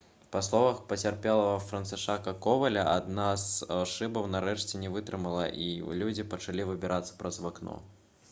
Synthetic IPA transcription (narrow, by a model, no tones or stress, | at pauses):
pɐslˠɔvɐxpɐt͡sʲarpʲɛlˠɐvɐfɾɐnsɨʂakɐkɔvɐlʲɐʔad̪nazʂɨbɐwnɐɾɛʂt͡sʲɛnʲɛvɨt̪ɾɨmɐlˠɐʔilʲud͡zʲipɐt͡ʂalʲivɨbʲɛɾʔat̪sɐ̥pɾʔɐzvaknɔ̰